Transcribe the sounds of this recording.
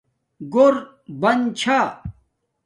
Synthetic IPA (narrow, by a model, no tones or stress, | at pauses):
ɡoɾ | bɐnt͡ɕʰa